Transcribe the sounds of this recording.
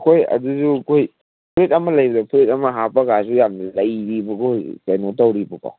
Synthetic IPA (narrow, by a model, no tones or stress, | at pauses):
kʰojɐ̰duzukʰoj | pʰɾet̚ɐmɐlɐjbɐdɐpʰɾitɐmɐɦapɐɡasujamdilɐjɾibɐkʰojkɐjnotawɾibɐpa̰w